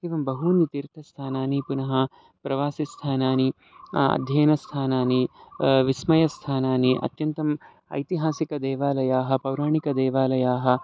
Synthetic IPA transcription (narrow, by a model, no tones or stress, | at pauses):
eʋɐmbɐɦunit̪iɾt̪ʰɐst̪ʰaːnaːnipunɐɦɐ | pɾɐʋaːsist̪ʰaːnaːni | ɐ̰d̪ʱjɐːnɐst̪ʰaːnaːniʋismɐjɐst̪ʰaːnaːniʔɐ̰t̪jɐnt̪ɐm | ɐ̰jt̪iɦaːsikɐd̪ɛːʋaːlɐjaːɦɐpɐwɾaːɳikɐd̪ɛːʋaːlɐjaːɦɐ̆